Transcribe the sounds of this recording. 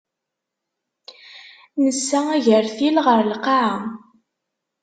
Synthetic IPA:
nəsːææʝəɾθilʁəɾlqɑʕa

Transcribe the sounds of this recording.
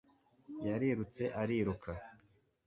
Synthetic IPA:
jaɾiːɾut͡se̞ʔaɾiɾukʰa

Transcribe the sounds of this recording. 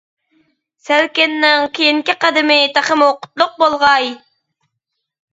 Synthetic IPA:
sælkʲɪnːɪŋkʲʰejiŋkʲiqɑd̪ɪmɪt̪ʰæχəmoqʊ̥t̪lˠʊq̚bolˠʁɑj

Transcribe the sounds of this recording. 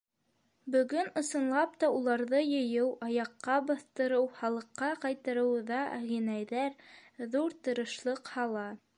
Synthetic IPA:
bɵ̆ɡɵnɤ̆sɤ̆nlˠɑp̚t̪ɑulˠɑɾðɤjɤ̆jɤwʔɑjɑqːɑbɑθt̪ɤ̆ɾɤwχɑlˠɤ̆qːɑqɑjt̪ɤɾɤ̆wðɑæʁinæjðæɾðuɾt̪ɤ̆ɾɤ̆ʃlˠɤqhɑlˠɑ

